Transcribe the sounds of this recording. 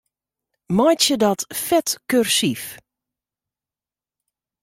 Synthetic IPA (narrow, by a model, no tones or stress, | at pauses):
mɔjtjədɔtfɛtkørsif